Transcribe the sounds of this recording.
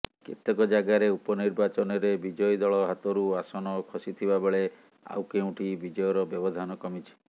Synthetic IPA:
kḛt̪ɔkɔd͡ʒaɡaɾeupɔniɾbat͡ʃɔnɔɾebid͡ʒɔjd̪ɔɭɔɦat̪ɔɾuasɔnɔkʰɔsit̪ʰibabeɭe | a̰wkeũʈibid͡ʒɔjɔɾɔbjɔbɔd̪ʱanɔkɔmit͡ʃʰi̥

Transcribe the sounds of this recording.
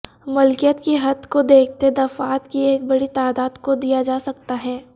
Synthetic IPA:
mʊlkijət̪kiɦɐd̪kod̪eːk̚ʰt̪ed̪ɐfaːt̪kieːk̚bɐɽit̪aːd̪aːd̪kod̪ijad͡ʒaːsɐk̚t̪aɦɛː

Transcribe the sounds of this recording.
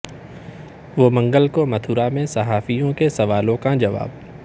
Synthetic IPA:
ʋoːmɐ̃ŋɡəlkomɐt̪ʰuːɾamẽsɐɦaːfijõkesɐʋaːlõkad͡ʒɐʋa̰ːb

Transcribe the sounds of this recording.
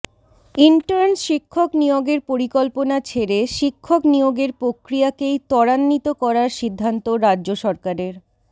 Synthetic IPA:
iɳʈaɾnʃikʰːoknijoɡeɾpoɾikɔlponat͡ɕʰeɾeʃikʰːoknijoɡeɾpɾokɾiakejt̪ɔɽanːit̪okɔɾaɾʃid̪ʱːant̪oɾadʑoʃɔɾkaɾeɾ

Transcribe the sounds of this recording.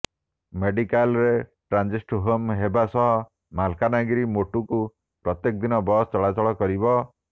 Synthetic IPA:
meɖikalɾeʈɾand͡ʒisʈɦomɦebasɔɦɔ | malkanaɡiɾimoʈuku | pɾɔt̪jekɔd̪inɔbɔst͡ʃɔɭat͡ʃɔɭɔkɔɾibɔ

